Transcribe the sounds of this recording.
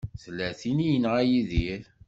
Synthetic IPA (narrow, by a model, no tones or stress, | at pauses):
θəlːæθinijənʁæjiðiɾ